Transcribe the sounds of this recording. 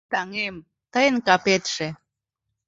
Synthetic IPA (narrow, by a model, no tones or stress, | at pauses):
t̪ɑŋem | t̪əjənkɑpet̪ʃe